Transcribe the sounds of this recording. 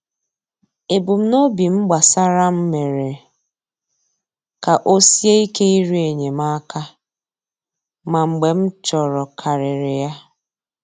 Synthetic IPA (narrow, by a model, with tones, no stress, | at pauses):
e˨bu˨m̩˦no˦bi˨m̩˦ɡ͡ba˨sa˦ɾa˦m̩˦me˨ɾe˨ | ka˨ʔo˦si˦e˦i˦ke˦i˦ɾu˦e˨ɲe˨ma˦ka˦ | ma˨ŋ͡m̩˨ɡ͡be˨m̩˦t͡ʃɔ˨ɾɔ˨kʰa˨ɾɪ˨ɾɪ˨ja˦